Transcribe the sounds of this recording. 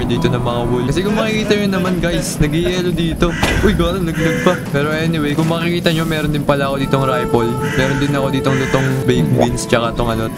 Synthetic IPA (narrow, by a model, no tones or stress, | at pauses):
d̪iːt̪o̞nɐŋmɐŋabulkɐs̬ɛkʊŋmɐkɪkiːt̪ɐɲonɐmanɡajsnɐɡɪʔɛːlod̪iːt̪o̞ʔʊjɡolɐnɐɡ̚nɐɡ̚pɐpɛːɾo̞ʔɛnɪwejkʊŋmɐkɪkiːt̪ɐɲo̞mɛːɾond̪ɪnpɐlaɐko̞d̪iːt̪oŋɾajpolmɛːɾond̪ɪnɐko̞d̪iːt̪oŋd̪ɐt̪o̞ŋbɛjkbinst͡ʃɐkat̪oŋʔɐno̞